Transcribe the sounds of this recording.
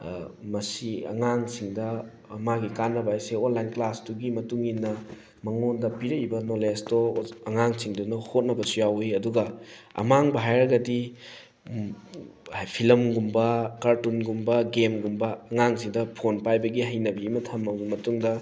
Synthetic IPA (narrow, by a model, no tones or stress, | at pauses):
mɐsiɐ̰ŋaŋsiŋdɐː | maɡikanːɐbajseonlajnklastuɡimɐtuŋinːɐ | mɐŋondɐpiɾɐjbɐnolestɔɐŋaŋsiŋdunɐhot̚nɐbɐsujawiɐduɡɐɐ̰maŋbɐɦajɾɐɡɐdi | pʰilɐmɡumbɐkaɾtunɡumbɐɡemɡumbɐːŋaŋsiŋdɐpʰonpajbɐɡiɦɐjnɐbɐimɐtʰɐmɐmɐtuŋdɐ